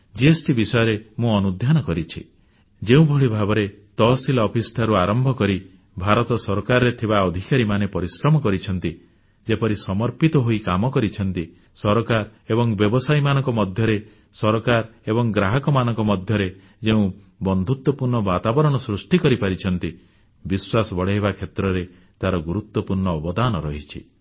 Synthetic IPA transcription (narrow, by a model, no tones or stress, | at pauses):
d͡ʒiesʈibisɔjɔɾemũɔnud̪ʱjanɔkɔɾit͡ʃʰi | d͡ʒeũbʱɔɭibʱabɔɾet̪ɔsilɔpʰisʈʰaɾuaɾɔmbʱɔkɔɾi | bʱaɾɔt̪ɔsɔɾkaɾɔɾet̪ʰibaɔd̪ʱikaɾimanepɔɾisɾɔmɔkɔɾit͡ʃʰɔn̪t̪i | d͡ʒepɔɾisɔmɔɾpit̪ɔɦoikamɔkɔɾit͡ʃʰɔn̪t̪i | sɔɾɔkaɾebɔŋbjɔbɔsajmanɔŋkɔmɔd̪ʱjɔɾe | sɔɾɔkaɾebɔŋɡɾaɦɔkɔmanɔŋkɔmɔd̪ʱjɔɾe | d͡ʒeũ | bɔnd̪ʱut̪wɔpuɾɳɔbat̪abɔɾɔɽ̃ɔsɾusʈikɔɾipaɾit͡ʃʰɔnt̪i | biswasɔbɔɽeɦebakʰet̪ɾɔɾe | t̪aɾɔɡuɾut̪wɔpuɾɳɔːbɔd̪anɔɾɔɦit͡ʃʰḭ